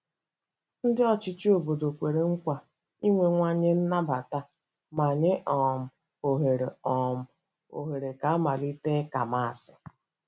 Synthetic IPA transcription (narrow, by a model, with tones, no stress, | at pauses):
n̩˦dɪ˦ɔ˦t͡ʃɪ˦t͡ʃi˦o˨bo˨do˨kʷe˨ɾe˨ŋ̩˦kʷa˨ | i˦ŋʷe˨ŋʷa˦ɲe˦n̩˦na˦ba˨ta˦ | ma˨ɲe˦ʔɔ˨m̩˨ | o˨ɦe˨ɾe˨ɔ˨m̩˦˨ | o̰˨ɦe˨ɾe˨ka˨a˦ma˨li˦te˦ka˨ma˦˨a˨sɪ˨